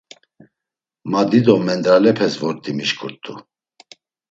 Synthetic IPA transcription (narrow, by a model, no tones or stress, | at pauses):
mad̪id̪ɔmɛnd̪ɾalɛpʰɛsvɔɾt̪ʼimiʃkʰuɾt̪ʰʼu